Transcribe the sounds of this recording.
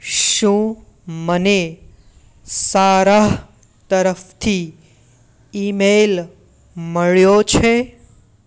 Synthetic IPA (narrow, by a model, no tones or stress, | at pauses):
ʃũ | məne | saɾaɦ | t̪əɾəft̪ʰi | imel | məɭjot͡ʃʰe